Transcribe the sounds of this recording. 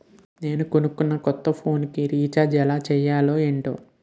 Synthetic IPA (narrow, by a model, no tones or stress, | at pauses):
ne̞ːnukonukːunːɐkɔt̪ːɐpʰo̞ːnkiɾiːt͡ʃaːd͡ʒɛlaːt͡ʃɛjaːlo̞ːeɳʈo̰ː